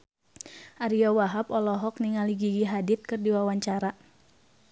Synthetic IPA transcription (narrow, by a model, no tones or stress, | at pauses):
ʔaɾiɔwaɦapɔlɔɦɔk̚niŋaliɡiɡiɦadit̪̚kɨrdiwawaɲt͡ʃaɾa